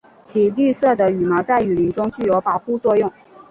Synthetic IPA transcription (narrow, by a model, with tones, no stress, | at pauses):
t͡ɕʰi˨˩ly˥˧sɤ˥˩d̪ə˩y˨˩mɑ˧˥t͡sa˥˩ɪy˨˩li˧˥ŋʈ͡ʂʊ˥ŋt͡ɕy˥˩jo˧˥ʊpɑ˨˩ʊxu˥˧t͡swɔ˥˧jʊ˥˩ŋ